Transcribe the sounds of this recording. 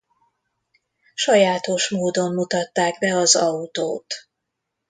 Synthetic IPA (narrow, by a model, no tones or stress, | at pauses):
ʃɒjaːt̪o̞ʃmoːd̪o̞mːut̪ɒt̪ːaːɡbɛɒzɒut̪oːt̪